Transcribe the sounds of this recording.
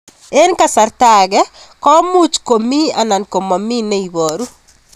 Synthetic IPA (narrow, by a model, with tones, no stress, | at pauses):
e˦nka˨sa˨ɾtaɡɛ˦kɔ˦mu˦t͡ʃko˨mi˦a˨na˨nko˨mɔ˨mi˦ne˦i˨wo˨ɾu˦